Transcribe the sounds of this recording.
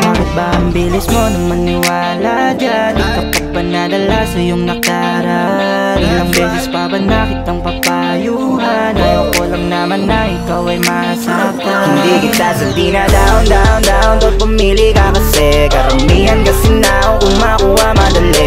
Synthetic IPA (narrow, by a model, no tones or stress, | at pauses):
bakɪt̪̚baʔɐmbilismo̞nɐŋmɐnɪwaːlad͡ʒad̪ikɐpɐɡ̚pɐnad̪ɐlasɐjoŋnɐkla | ɾa | ilɐŋbɛːsɛspabɐnːakɪt̪ːɐŋpɐpa | juɦanɐjoʔolɐŋnamɐnːɐʔɪkawɐjmɐʔɐsɐʔɐp̚aɐmd̪iɡɪnd̪asɐnd̪inad̪aond̪aʔond̪aond̪onpɐmiːlikakɐsɛkɐɾɐmihɐnkɐsɛnaʔoŋʔʊmakuhamɐd̪ɐlɛ